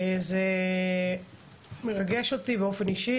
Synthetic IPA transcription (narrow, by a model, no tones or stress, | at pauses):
eze | meʁaɡeʃot̪ibeo̞fe̞niʃi